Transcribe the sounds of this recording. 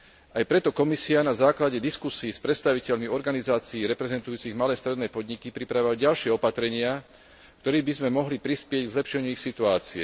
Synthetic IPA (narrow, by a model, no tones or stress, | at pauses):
ajpɾɛt̪ɔkɔmisianazaːklaɟɛd̪iskusiːspɾɛt̪st̪aʋicɛʎmiɔɾɡanizaːt͡siːɾɛpɾɛzɛnt̪ujuːt͡siɣmalɛjst̪ɾɛd̪nɛːpɔd̪ɲikipɾipɾaʋaɟalʃɪɛɔpat̪ɾɛɲɪa | kt̪ɔɾiːbizmɛmɔɦlipɾispɪɛɟɡzlɛpʃɛɲuixsit̪uaːt͡siɛ